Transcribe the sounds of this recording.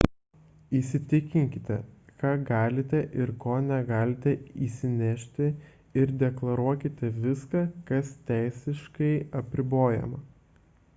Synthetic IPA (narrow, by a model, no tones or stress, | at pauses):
isʲɪt̪ʲɪkʲɪŋʲkʲɪt̪ʲɛkɑːɡɑːlʲɪt̪ʲɛʔɪɾkoːnʲɛɡɑːlʲɪt̪ʲɛiːsʲɪnʲɛʃʲt̪ʲɪ | ɪɾd̪ʲɛklˠɐɾuɔkʲɪt̪ʲɛʋʲɪskɑːkɐst̪ʲæˑɪsʲɪʃkɐɪɐpʲɾʲɪboːjɛ̰mɐ